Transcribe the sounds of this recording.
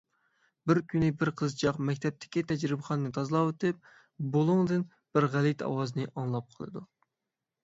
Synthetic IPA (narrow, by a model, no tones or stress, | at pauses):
bɪɾkʲʰynɪbɪɾqʰəzt͡ʃʰɑqmɛkʲt̪ʰɛp̚t̪ʰɪ̥kʲit̪ʰɛd͡ʒɾɪbɨχɑnɨnɨt̪ʰɑzlˠɑwet̪ɨp̚ | bolˠuŋd̪ɨn | b̥ɪɾʁælit̪ʰɑ̰wɑzɨnɨʔɑŋlˠɑp̚qʰəlˠɨ̰d̪u